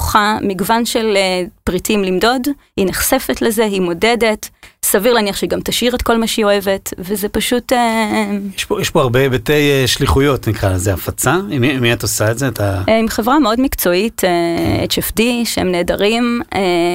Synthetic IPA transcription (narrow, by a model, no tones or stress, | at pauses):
χamiɡvanʃe̞lepʁitʰimlimdo̞d | hineχsefe̞tleze̞ɦimo̞dede̞tsaviʁleaːniaχʃeiɡamtaʃiʁetko̞lmaʃio̞evetvezepaʃutejeʃpojɛʃpoaʁbebetejeʃliχujo̞tnikʁazeafat͡saimimiataosaetzeatʰaimχevʁameo̞dmikt͡so̞itʰeḛt͡ʃefdiʃeemneːdaʁime